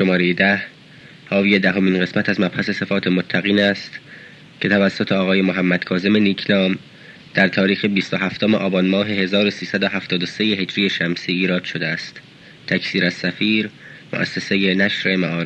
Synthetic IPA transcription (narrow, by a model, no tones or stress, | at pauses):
ʃomɒːɾejed̪æh | hɒːviːje̞d̪æɦo̞miːnɢe̞smæt̪æzmæbhæse̞se̞fɒːt̪ʰemot̪ʰːæɣiːnæst̪ | cʰe̞t̪ʰævæsːo̞t̪ʰeɒːɣɒːje̞moɦæmːæd̪̥kʰɒːze̞me̞niːkʰnɒːm | d̪̥æɾt̪ʰɒːɾiːxebiːst̪o̞ɦæft̪omeʔɒːbɒːnmɒːɦe̞he̞zɒːɾo̞siːsæd̪o̞ɦæft̪ɒːd̪osejeɦe̞d͡ʒɾijeʃæmsiːiːɾɒːd̪̥ʃo̞d̪eæst̪ | t̪ʰːæcʰsiːɾæz̥sæfiːɾ | moʔæ̰sːeseje̞næʃɾe̞mæʔɒːɾ